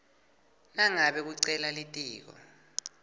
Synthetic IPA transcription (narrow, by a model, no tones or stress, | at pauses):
naŋaɓɛk̬uǀɛlalitʼiːk̬ɔ̰